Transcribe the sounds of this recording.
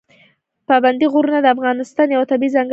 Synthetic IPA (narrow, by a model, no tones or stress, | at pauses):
pɑband̪iɣuɾunad̪əafɣɑnɪst̪ɑnjawat̪abizaŋɡ